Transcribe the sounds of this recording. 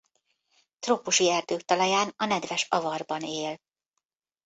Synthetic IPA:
t̪roːpuʃiɛrd̪øːkt̪ɒlɒjaːnɒnɛd̪vɛʃɒvɒrbɒneːl

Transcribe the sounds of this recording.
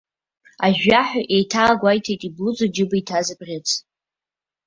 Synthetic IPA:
aʒᶣaħʷᶣaʔejtʰaːɡʷajtʰejtʼiblɨd͡zʷod͡ʒɪbaitʰazɨbrʲɪt͡sʰ

